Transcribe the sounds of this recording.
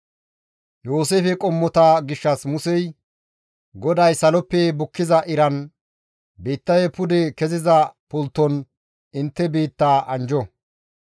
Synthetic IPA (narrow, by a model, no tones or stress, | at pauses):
joːs̬eːfɛkʼɔmːɔt̪aːɡɪʃːɐsmʊsɛj | ɡɔd̪ɐjsɐlɔpːɛbʊkːɪzɐʔɪɾɐn | beːt̪ːɐjɛpʊd̪ɛkɛzɪzɐpʊlt̪ːɔn | ɪnt̪ːɛbeːt̪ːaːʔɐnd͡ʒɔ